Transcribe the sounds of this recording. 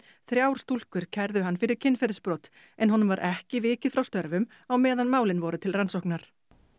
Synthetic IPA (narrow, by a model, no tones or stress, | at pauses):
θɾjaːwɾ̥st̪ul̥kʏɾ̥cʰɛɾðʏɦanːfɪɾɪɾ̥cʰɪnːfɛɾʏspɾɔːt̪ | ɛnɦɔnːʏmvaɾʔɛhcɪvɪːcɪfɾawst̪œɾvʏm | awmɛːðanmaːwlɪnvɔɾʏt̪ʰɪlransɔhknaɾ̥